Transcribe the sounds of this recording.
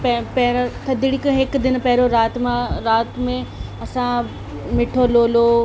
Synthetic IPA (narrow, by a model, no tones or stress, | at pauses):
pɐpɐɦɾt̪ʰɐd̪iɽikɦɪkd̪ɪnpɐɦɪɾoɾaːt̪mãɾaːt̪mẽ | ɐsã | mɪʈʰoloːloː